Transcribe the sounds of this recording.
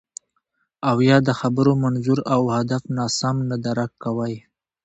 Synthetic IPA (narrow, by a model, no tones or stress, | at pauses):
awjɑd̪əxabəɾomanzuɾawhad̪afnɑsamnad̪aɾakːawaj